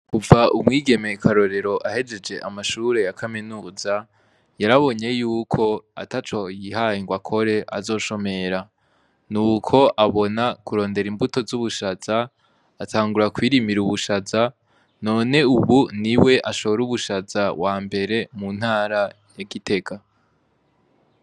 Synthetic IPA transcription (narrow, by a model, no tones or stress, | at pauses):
kuvaʔumŋiːɡe̞me̞kʰaɾo̞ɾe̞ɾo̞ʔahe̞d͡ʒe̞d͡ʒe̞ʔamaʃuɾe̞jakʰamenuza | jaɾaβo̞ɲe̞juːkʰo̞a̰tat͡ʃo̞jihaiŋɡwakʰo̞ɾe̞ʔa̰zo̞ːʃo̞me̞ɾa | nuːkʰo̞ʔaβo̞nakuɾo̞ːnde̞ɾimbuto̞zuβuʃaz̥aː | tʰaːŋɡuɾakwiːɾimiɾuβuʃaza | no̞ːne̞uβuniwe̞ʔaʃo̞βoɾuβuʃazawaːmbe̞ɾe̞mun̥haːɾa | jaɡite̞ka